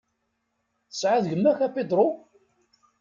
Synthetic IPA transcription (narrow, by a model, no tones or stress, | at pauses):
θə̥sʕaðʝəmːæçæped̪ɾˤo